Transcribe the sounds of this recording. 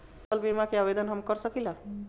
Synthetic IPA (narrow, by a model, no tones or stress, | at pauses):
t̪lbemakeabed̪ɔnɦɔmkɔɾsɔkila